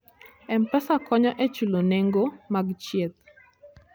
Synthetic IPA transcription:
ɛmpɛsakɔɲɔʔet͡ʃuloneŋɡomaɡt͡ʃjet̪̚

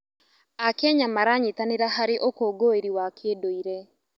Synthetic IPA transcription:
akɛɲamaɾaɲitaneɾaɦaɾeʔokoɡoeɾiwakʰeːdoiɾɛ

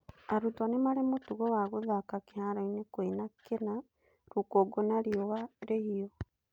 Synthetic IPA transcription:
aɾutwanemaɾemotuɣowaɣoðakakehaɾainekwenakena | ɾukoːɡonaɾiowaɾehio

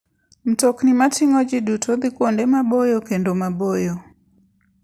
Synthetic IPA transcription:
m̩tɔknimatiŋɔd͡ʒiɗutʰɔðikɔndɛmaɓɔjɔkɛndɔmabɔjɔ

